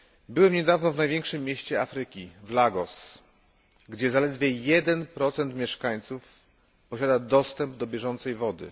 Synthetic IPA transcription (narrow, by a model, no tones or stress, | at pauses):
bɘwɛmɲɛd̪avnɔvnajvʲjɛ̃ŋkʂɘmːjɛɕt͡ɕɛafɾɘkʲivlaɡɔs | ɡd͡ʑɛzalɛd̪vʲjɛjɛd̪ɛnpɾɔt̪sɛnt̪mʲjɛʂkaɲt̪suf | pɔɕad̪ad̪ɔst̪ɛmbd̪ɔbʲjɛʐɔnt̪sɛjvɔd̪ɘ̰